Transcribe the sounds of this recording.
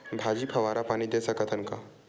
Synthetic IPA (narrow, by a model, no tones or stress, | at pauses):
bʱad͡ʑiːpʰɐʋaːɾapaːñid̪esakɐt̪ʰənka̰